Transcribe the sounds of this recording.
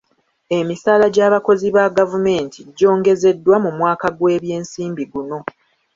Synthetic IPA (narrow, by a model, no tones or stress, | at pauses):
e̞misaːlaɟaːβako̞ziβaɡavume̞ːntʰiɟːo̞ːŋɡe̞ze̞dːwamumwaːkaɡwe̞ːβje̞ːnsiːmbiɡuno̞